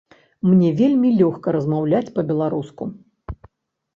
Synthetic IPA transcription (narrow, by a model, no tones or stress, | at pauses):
mnʲɛvʲelʲmʲilʲɔxkɐɾɐzmawlʲat͡sʲpɐbʲɛlˠaɾusku